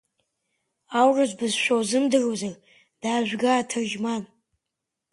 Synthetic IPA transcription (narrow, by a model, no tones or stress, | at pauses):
awrazbɨzʃʷᶣowzɨmdɨrozar | d̥aːʒᶣʷɡatʰɨrʒman